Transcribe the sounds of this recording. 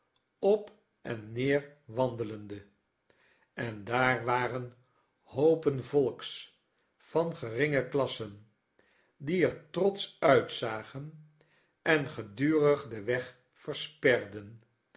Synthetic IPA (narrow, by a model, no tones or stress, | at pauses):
ɔp | ʔɛnːɪːɹʋɑndələndə | ɛndaːɹʋaːrən | howpənvɔlˠks | fɑnχərɪŋəklɑsən | diɛɹtrɔtsœɥtsaːχən | ɛnχədyːrəχdəʋɛχ | fəɹspɛrdən